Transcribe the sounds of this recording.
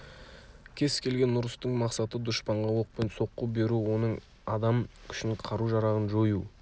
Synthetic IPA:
kʲʰe̞skʲʰe̞lɡʲe̞nːʊɾəst̪əɴmɑqsɑt̪əd̪ʊʃpɑɴʁɑwoq̚pe̞nso̞qːəbe̞ɾuwo̞nəɴ | ɑd̪ɑmkʲʰʏ̥ʃɪɴqʰɑɾuʒɑɾɑʁənʒoju

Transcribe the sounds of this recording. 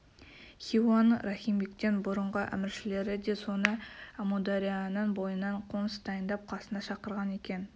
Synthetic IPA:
χʲiwanɾɑχʲijmbekt̪e̞nbʊɾəɴʁəʔæ̰mɪɾʃɪle̞ɾɪd̪e̞so̞nəamod̪aɾijanəɴbo̞jənɑɴqʰoməsd̪ɑjənd̪ɑp̚qʰɑsənɑʃɑqəɾʁɑne̞kʲe̞n

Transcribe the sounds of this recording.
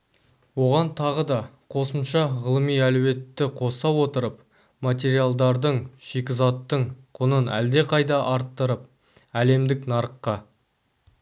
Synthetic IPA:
wo̞ʁɑnt̪ʰɑʁəd̪ɑ | qʰo̞səmʃɑʁəlˠəmijæluwe̞t̪ːɪqʰo̞sɑwo̞t̪əɾəp̚ | mat̪̬ʲe̞ɾijalˠd̪ɑɾd̪əɴʃe̞kʲɪzɑt̪ːəɴqʰʊnənæ̰ld̪e̞qʰɑjd̪ɑʔɑɾt̪ːəɾəp̚ | æle̞md̪ɪknɑɾəqːɑ

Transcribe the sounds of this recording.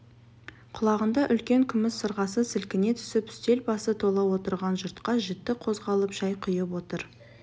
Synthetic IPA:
qʰʊlˠɑʁənd̪ɑʔʏlkʲe̞ŋkʲʰʏmɪsːəɾʁɑsəsɪlkʲɪne̞t̪ʰʏ̥sɪpʏ̥st̪e̞lbɑsət̪ʰo̞lˠɑwo̞t̪əɾʁɑnʒʊɾt̪qɑʒɪt̪ːɪqʰo̞zʁɑlˠəpʒ̥ɑjqʰʊjəpwo̞t̪əɾ

